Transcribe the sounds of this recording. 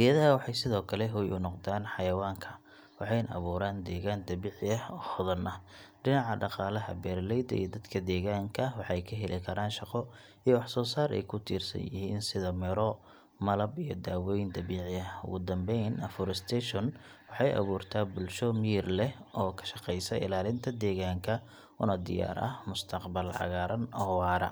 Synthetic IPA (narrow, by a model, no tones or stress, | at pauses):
ʔɪjɐðɐwɑħɑjsɪðɔːkʰɐlɛɦʊjʔʊ̰nɔqd̪aːnħɑjɐwaːŋkʰɐ | wɑħɑjnʔɐ̰βuːɾaːnd̪ɛːɣaːnd̪ɐβiːʕɪɐhɔːhɔðɐnɐ | ɖɪnɑʕɑɖɑqɑːlɐɦɐ̰bɛːrlɛjd̪ɐ̰ḭjɔd̪ɐd̪kʰɐd̪ɛːɣaːŋkʰɐwɑħɑjkʰɐɦɛlɪkʰɐɾaːnʃɑqɔ | ijɔwɑħsɔːsaːɾɛ̰jkʰʊt̪ʰḭːrsɐ̰njɪ̰ɦiːnsɪðɐmɪɾɔ | mɐlɐbijɞd̪aːwɛjnd̪ɐβiːʕɪjɐʊ̰ɣʊd̪ɐmbɛjnɐfɔɾɪst̪ʰɛːʃɔn | wɑħɑjʔɐ̰βuːrt̪ʰaːbʊlʃɔmiːrlɛʔɔːkʰɐ̥ʃɑqɛjsɐɪ̰laːlɪnt̪ʰɐd̪ɛːɣaːŋkʰɐ | ʔʊnɐd̪ɪ̰ja̰ːɾʔɐ̰hmʊst̪ʰɐqbɐlʕɑ̰ɣaːɾɐnɔːwɑːɾɐ̰